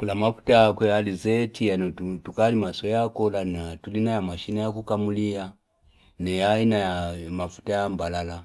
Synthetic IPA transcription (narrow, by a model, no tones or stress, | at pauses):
kulamafu̥taakwɛalizɛtʰianɔutukalimasɔjakɔlanatulinajamaʃinajakukamulia | nɛjainajamafu̥tajambalala